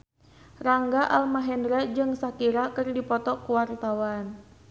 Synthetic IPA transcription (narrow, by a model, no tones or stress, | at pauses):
raŋɡaʔalmaɦɛndɾɛd͡ʒɨŋsakiɾakɨrdipɔt̪ɔkuwart̪awan